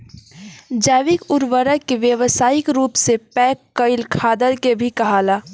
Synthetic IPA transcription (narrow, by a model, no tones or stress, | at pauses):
d͡ʒɛːʋɪkʊɾʋəɾəkeʋjəʋəsaːɪkɾuːpsepɛːkːəɪlkʰaːd̪əɾkebʱikɐɦaːlaː